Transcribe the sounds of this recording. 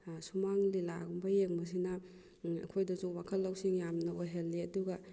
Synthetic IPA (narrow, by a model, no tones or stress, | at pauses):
sumaŋlilaɡumbɐjek̚mɐs̬inɐ | ɐ̰kʰojdɐzuwakʰɐlːɐwsiŋjamnɐoɦelːiɐduɡɐ